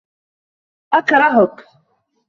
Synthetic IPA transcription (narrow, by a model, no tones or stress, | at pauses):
ʔakɾˤɑɦʊk